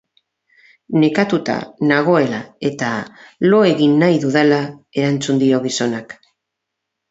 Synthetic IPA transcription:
ne̞kat̪ut̪a̰naɣ̞o̞e̞lae̞t̪alo̞e̞ɣinːajðuðelae̞ɾant͡sund̪io̞ɣ̞iso̞nak

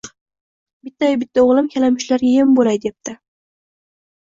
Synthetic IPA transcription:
bɪt̪ːajbɪt̪ʰːaoʁlˠɪmkʲʰalamʊʃlaɾɡʲajɪmbolajd̪ep̚t̪ʰɪ

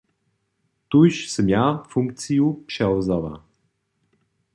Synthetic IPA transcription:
t̪ujʃsəmjafuŋk̚t̪sijupʃɛwzɔva̰

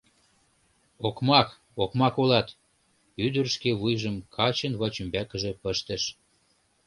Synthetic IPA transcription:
okmɑk | okmɑkolɑt̪ | yd̪ərʃkeβujʒəmkʰɑt͡ɕənβɑt͡ɕəmbækəʒĕpəʃt̪ə̆ʃ

